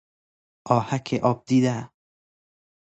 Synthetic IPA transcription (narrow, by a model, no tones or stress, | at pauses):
ʔɒːhækʰeʔɒːb̚d̪iːd̪æ